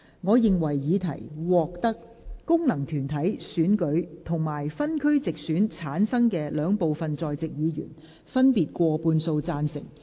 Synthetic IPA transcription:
ŋɔː˨˧jɪ˨ŋwɐ˨˩jːiː˨˧t̪ʰɐ˨˩jwɔː˨k̚t̪ɐ˥k̚ː | ʊ˥ŋnɐ˨˩ŋt̪ʰyː˨˩nt̪ʰɐ˨˥jsyː˨˥nkɵ˨˥ɥt̪ʰʊ˨˩ŋmaː˨˩jfɐ˥nkʰɵ˥ɥt͡sɪ˨k̚syː˨˥nt͡sʰaː˨˥nsɐ˥ŋkɛː˧lœː˨˥ŋpo˨wfɐ˨nt͡sɔː˨jt͡sɪ˨k̚jiː˨˧ɥy̰ː˨˩n | fɐ˥npiː˨t̚kʷɔː˧puː˧nso˧wt͡saː˧nsɪ̰˨˩ŋ

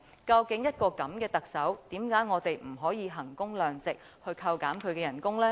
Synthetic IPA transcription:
kɐ˧wkɪ˨˥ŋjɐ˥t̚kɔː˧kɐ˨˥mkɛː˧t̪ɐ˨k̚sɐ˨˥wt̪iː˨˥mkaː˨˥jŋɔː˨˧t̪e˨jm̩˨˩ɦɔː˨˥jiː˨˧ɦɐ˨˩ŋkʊ˥ŋlœː˨ŋt͡sɪ˨k̚ | hɵ˧ɥkʰɐ˧wkaː˨˥mkʰɵ˨˧ɥkɛː˧jɐ˨˩nkʊ˥ŋlɛː˥

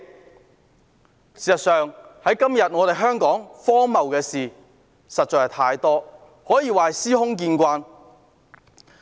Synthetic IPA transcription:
siː˨sɐ˨tsœː˨ŋhɐ˨˥jkɐ˥mjɐ˨t̚ŋɔː˨˧t̪e˨jɦœː˥ŋkɔː˨˥ŋfɔː˥mɐ˨wkɛː˧siː˨˩ | sɐ˨t̚t͡ʃɔː˨jhɐ˨˩t̪ʰaː˧jt̪ɔː˥ | hɔː˨˥jiː˨˧waː˨siː˥hʊ˥ŋk̬iː˧nkʷaː˧n

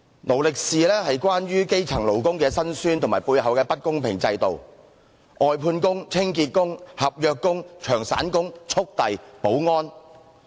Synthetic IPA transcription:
lo˨˩wlɪ˨k̚siː˨˧lɛː˥hɐ˨jkwaː˥nɥyː˥ke˥jt͡sʰɐ˨˩ŋlo˨˩wkʊ˥ŋkɛː˧sɐ˥nsyː˥nt̪ʊ˨˩maː˨˩jpuː˧jɦɐ˨wkɛː˧pɐ˥t̚kʊ˥ŋpʰɪ˨˩ŋt͡sɐ˧jt̪o̰˨w | ʔɔː˨jpʰuː˧nkʊ˥ŋt͡sʰɪ˥ŋkiː˧t̚kʊ˥ŋhɐ˨p̚jœː˨˧kːʊ˥ŋt͡ʃʰœː˨˩ŋsa̰ː˨˥nkʊ˥ŋt͡ʃʰʊ˥k̚t̪ɐ˨jpo˨˥wŋɔː˥n

